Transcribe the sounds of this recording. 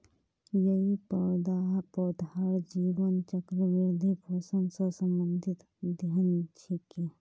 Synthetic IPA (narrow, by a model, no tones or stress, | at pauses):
jəɦipəɾd̪aɦpɔːd̪aɾd͡ʒiːʋənt͡ʃəkɾəʋɪɾd̪ʱipʰoːsənsəsə̃mbə̃nd̪ʱɪt̪ | d̪ant͡ʃʰike